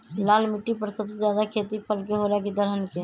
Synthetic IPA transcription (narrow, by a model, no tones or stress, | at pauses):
lalmiʈːipəɾsəbsezjad̪akʰet̪ipʰəlkeɦolakid̪ʱəɾɦənke